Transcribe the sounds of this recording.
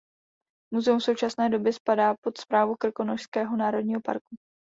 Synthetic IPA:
muzɛumfso̞wt͡ʃasnɛːdo̞bjɛspadaːpo̞t̪spɾaːvukr̩ko̞noʃskɛːɦo̞naːɾo̞dɲiːɦo̞pa̰ɾku

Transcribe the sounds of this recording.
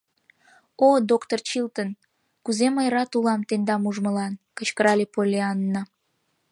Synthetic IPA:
od̪okt̪ort͡ɕilt̪ən | kuzeməjɾɑt̪ulɑmt̪end̪ɑmuʒməlɑnkət͡ɕkəɾɑlepolʲeɑnːə

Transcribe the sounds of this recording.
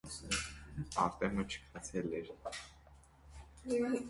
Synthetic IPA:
ɑɾt̪ɛmət͡ʃʰə̥kʰɑt͡sʰɛlɛɾ

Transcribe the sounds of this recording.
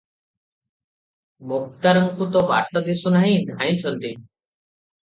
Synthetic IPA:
mʊk̚t̪aɾəŋkut̪ɔba̰ʈɔd̪isunaɦĩd̪ʱaːĩt͡ʃʰɔnt̪i

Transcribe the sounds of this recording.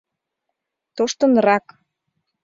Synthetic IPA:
t̪oʃt̪ɤ̆nrɑk

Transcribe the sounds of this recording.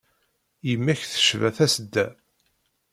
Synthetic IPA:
jəmːæçθə̥ʃvæ̰θæsəd̪ːæ̰

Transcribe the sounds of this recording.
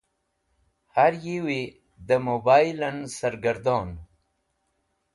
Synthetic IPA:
haɾjiwi | d̪əmobaːjlansaɾɡaɾd̪oːn

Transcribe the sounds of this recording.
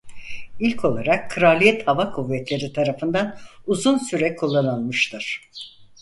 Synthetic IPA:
ilʲkʰo̞lˠaɾakʰːɯɾalʲijɛt̪havakʰuvːɛt̪lʲe̞ɾit̪ʰaɾafɯnd̪anuzunsyɾɛkʰulˠːanalˠmɯʃt̪ʰɯɾ̥

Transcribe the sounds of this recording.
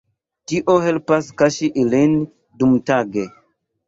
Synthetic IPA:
tiʔohelpaskaʃiʔilin | dumtaɡe

